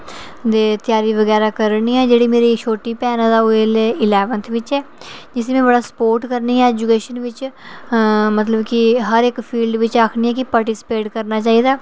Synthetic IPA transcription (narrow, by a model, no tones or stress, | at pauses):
d̪eːt̪ɪjaːɾiːʋəɡɛːɾaːkəɾniːɛːd͡ʒeːɽiːmeːɾiːʃʰoːʈːiːpɛːnaːd̪aːʊeːleːɪlɛːʋənt̪ʰʋɪt͡ʃɛː | d͡ʒɪsẽːmɛ̃ːbəɽaːsə̥poːɾʈkəɾniːɛːɛːd͡ʒuːkeːʃənʋɪt͡ʃ | mət̪ləbkɪɦəɾɪkpʰiːlɖʋɪt͡ʃaːkʰniːɛːkɪpaːʈisɪ̥peːʈkəɾnaːt͡ʃaːiːd̪aː